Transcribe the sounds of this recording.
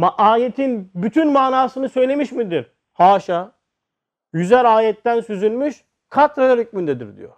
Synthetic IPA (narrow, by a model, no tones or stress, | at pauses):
maʔaːjet̪ʰinbyt̪ʰynmaːnaːsɯnɯsø̞jlʲe̞miʃmid̪iɾ | haːʃa | jyzæɾaːjɛt̪ːænsyzynmyʃ | kʰat̪ɾad̪aɾyc̚ʲmynd̪ɛd̪ḭɾd̪ḭjo̰